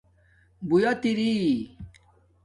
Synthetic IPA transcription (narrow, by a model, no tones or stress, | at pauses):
bujat̪iɾi